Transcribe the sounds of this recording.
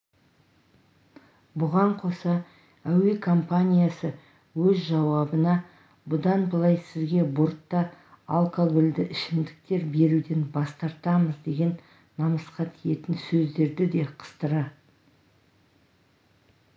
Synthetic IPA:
bʊʁɑɴqʰo̞sɑ | æwe̞kʰo̞mpanʲijasə | wɵzʒɑwɑbənɑ | bʊd̪ɑnbəlˠɑjsɪzɡʲe̞boɾt̪ːɑ | alˠkoɡold̪ɪʔɪʃɪmd̪ɪk̚t̪e̞ɾbe̞ɾud̪e̞nbɑst̪ɑɾt̪ɑməzd̪e̞ɡʲe̞nː | ɑməsqɑt̪ʰije̞t̪ɪnsɵzd̪e̞ɾd̪ɪd̪e̞qʰə̥st̪əɾɑ

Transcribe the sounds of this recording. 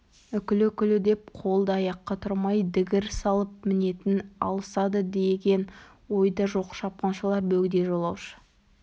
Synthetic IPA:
ʏkʲɪlɪkʲɪlɪd̪e̞p̚qʰo̞lˠd̪əɑjɑqːɑt̪ʰʊɾmɑjd̪ɪɡʲɪɾsɑlˠəp̚mɪne̞t̪ɪnɑ̰lˠəsɑd̪əd̪e̞ɡʲe̞n | wo̞jd̪ɑʒo̞qʃɑp̚qɑnʃəlˠɑɾbɵɡʲɪd̪e̞ʒo̞lˠɑwʃə̥

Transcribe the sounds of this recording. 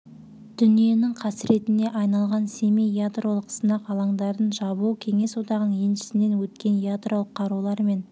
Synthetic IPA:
d̪̥ʏnije̞nɪŋqʰɑsɾʔe̞t̪ɪne̞ʔɑjnɑlˠʁɑnse̞mejad̪ro̞lˠəqsənɑqɑlˠɑɴd̪ɑɾd̪ənʒɑbukʲʰe̞ŋe̞swo̞t̪ɑʁənəɴjenʃɪ̥sɪne̞nwɵt̪kʲe̞njad̪ro̞lˠəqʰːɑɾulˠɑɾme̞n

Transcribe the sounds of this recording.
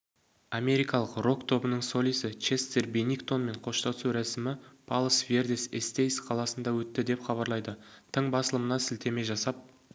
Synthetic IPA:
ame̞ɾijkɑlˠəqro̞kt̪ʰo̞bənəɴso̞lʲijsɪt͡ʃe̞st̪erbenikt̪o̞nme̞ɴqʰo̞ʃt̪ɑsuɾæsɪmɪpʰɑlˠəsve̞rd̪esest̪ejsqʰɑlˠɑsənd̪ɑwɵt̪ːɪd̪e̞pχɑβɑɾlˠɑjd̪ət̪ʰəɴbɑsəlˠəmənɑsɪlt̪e̞me̞ʒɑsɑp̚

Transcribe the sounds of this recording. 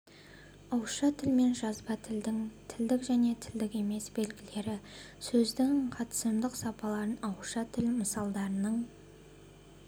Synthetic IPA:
ɑwʃɑt̪ʰɪlme̞nʒɑzbɑt̪ʰɪld̪ɪŋt̪ʰɪld̪ɪkʒæne̞t̪ʰɪld̪ɪkʲe̞me̞sbe̞lɡʲɪle̞ɾɪ | sɵzd̪ɪŋqʰɑt̪ə̥səmd̪əqsɑpɑlˠɑɾənɑwʃɑt̪ʰɪlməsɑlˠd̪ɑɾənəɴ

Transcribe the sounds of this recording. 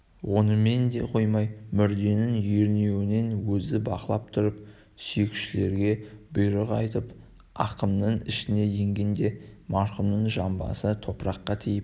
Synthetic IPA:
wʔo̞nəme̞nd̪e̞̰qʰo̞jmɑjmʏɾd̪e̞nɪŋʒeɾne̞wɪne̞nwɵzɪbɑ̰qəlˠɑp̚t̪ʰʊɾəp̚ | sʏjɪkʃɪle̞ɾɡʲe̞bʊjɾəʁɑ̰jt̪əp | ɑ̰qəmnəɴɪʃɪne̞je̞ŋɡʲe̞nd̪e̞mɑɾχəmnəɴʒɑmbɑ̰sət̪ʰo̞pɾɑqːɑt̪ʰijɪp̚

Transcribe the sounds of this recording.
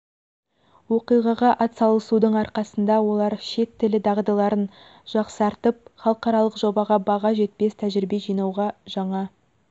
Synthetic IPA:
wo̞qijʁɑʁɑʔɑt̪sɑlˠəsud̪əɴɑɾqɑsənd̪ɑwo̞lˠɑɾʃe̞t̪ʰːɪlɪd̪ɑʁd̪ɑlˠɑɾən | ʒ̥ɑqsɑɾt̪əp̚χɑlˠəqɑɾɑlˠəqʒo̞bɑʁɑbɑʁɑʒe̞t̪̚pe̞st̪ʰæʒɪɾɪbe̞ʒijnɑwʁɑʒ̥ɑɴɑ

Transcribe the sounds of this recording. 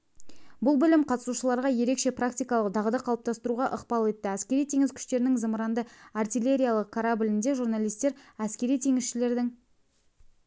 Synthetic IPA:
bʊlˠbʏlɪmqʰɑt̪ə̥suʃəlˠɑɾʁɑje̞ɾe̞kʃe̞prakt̪ʲijkɑlˠəqd̪ɑʁəd̪ɑqʰɑlˠəp̚t̪ʰɑst̪əɾuʁɑʔəqpɑlˠe̞t̪ːɪæskʲe̞ɾijt̪ʰe̞ŋɪzkʲʰʏ̥ʃt̪e̞ɾɪnɪŋzəməɾɑnd̪əart̪ijlʲe̞ɾʲijalˠəqkʰaɾabɪlɪnd̪e̞ʒuɾnalˠijst̪e̞ɾæskʲe̞ɾijt̪ʰe̞ŋɪzʃɪle̞ɾd̪ɪŋ

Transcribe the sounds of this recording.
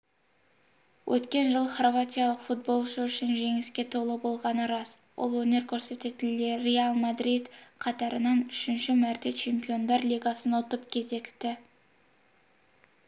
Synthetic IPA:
wʔɵt̪kʲe̞nʒəlˠəχrvat̪ʲijalˠəqfut̪̚bo̞lˠʃəʏʃɪnʒe̞ŋɪskʲe̞t̪ʰolˠəbo̞lˠʁɑnəɾɑs | wo̰lˠwɵne̞ɾkʲʰɵɾse̞t̪et̪leɾealˠmad̪ɾid̪qʰɑt̪ɑɾənɑnʏʃɪnʃɪmæɾt̪et͡ʃʰe̞mpijo̞nd̪ɑɾlʲijɡɑsənot̪əpkʲʰe̞ze̞kt̪ɪ

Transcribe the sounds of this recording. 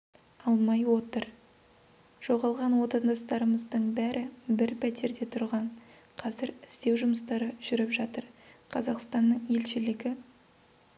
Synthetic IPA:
ɑlˠmɑjwo̞t̪əɾ | ʒ̥o̞ʁɑlˠʁɑnwo̞t̪ɑnd̪ɑst̪ɑɾəməzd̪əɴbæɾɪbɪɾpʰæt̪e̞ɾd̪e̞t̪ʰʊɾʁɑɴ | qʰɑzɪɾɪst̪e̞wʒʊməst̪ɑɾəʒ̥ʏɾɪpʒɑt̪əɾqʰɑzɑqst̪ɑnːəɴe̞lʃɪlɪɡʲɪ

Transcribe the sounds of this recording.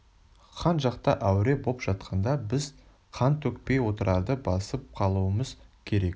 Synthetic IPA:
qʰɑnʒɑqt̪ɑ̰ʔæwɾe̞bopʒ̥ɑt̪̚qʰɑnd̪ɑbɪz | qʰɑnt̪ʰɵkpe̞jwo̞t̪əɾʔɑɾd̪əbɑsəp̚qʰɑlˠuəməzkʲʰe̞ɾe̞k̚

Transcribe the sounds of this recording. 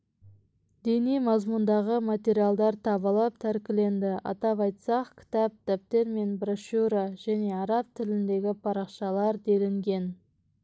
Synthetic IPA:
d̪e̞nijmɑzmund̪ɑʁəmat̪ʲe̞ɾijalˠd̪ɑɾt̪ʰɑβəlˠəp̚t̪ʰæɾkʲɪle̞nd̪ɪʔɑ̰t̪ɑpɑjt̪sɑqkʲʰɪ̥t̪ɑp̚t̪æp̚t̪e̞ɾme̞nbɾoʃuɾaʒæne̞ɑɾɑp̚t̪ʰɪlɪnd̪e̞ɡʲɪpʰɑɾɑqʃɑlˠɑɾd̪e̞lɪŋɡʲe̞n

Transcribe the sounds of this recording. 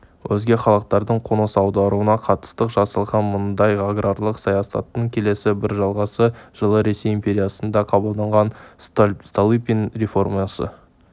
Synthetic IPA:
wʔɵzɡʲe̞χɑlˠəq̚t̪ɑɾd̪əɴqʰonəsɑwd̪ɑɾuənɑqʰɑt̪ə̥st̪əqʒɑsɑlˠʁɑnmʊnd̪ɑjaɡrarlˠəqsɑjɑsɑ̰t̪ːəɴkʲʰe̞le̞sɪbɪɾʒɑlˠʁɑsəʒ̥əlˠəɾe̞se̞jəmpʲe̞ɾʲijasənd̪ɑqʰɑbəlˠd̪ɑɴʁɑn | st̪olˠipʲinrefo̞rmasə̰

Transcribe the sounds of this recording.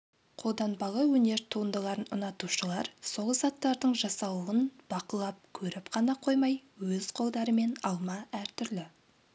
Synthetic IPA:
qʰo̞lˠd̪ɑnbɑlˠəwɵne̞ɾt̪ʰuənd̪əlˠɑɾənʊ̰nɑt̪uʃəlˠɑɾso̞lˠzɑt̪ːɑɾd̪əɴʒɑsɑwəənb̥ɑqəlˠɑp̚kʲʰɵɾɪpqʰɑnɑqʰo̞jmɑjwɵz̥qʰo̞lˠd̪ɑɾəme̞nɑlˠmɑæɾt̪ʰʏɾlɪ

